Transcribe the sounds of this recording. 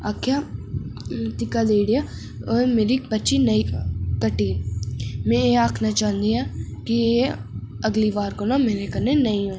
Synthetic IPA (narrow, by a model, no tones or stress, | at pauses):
aːkʰja | t̪ɪkad̪eːɽija | meːɾibətːʃinɐĩkəʈiː | mɛ̃eaːkʰnat͡ʃaːɦnd̪iakie | ɐɡliʋaːɾkonamẽːnekɐɾnenɐĩõː